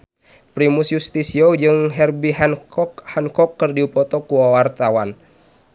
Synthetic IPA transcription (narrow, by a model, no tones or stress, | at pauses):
pɾimusjust̪isiɔd͡ʒɨŋɦɛrbiɦɛnkɔkhɛnkɔkːɨrdiupɔt̪ɔkuwawart̪awan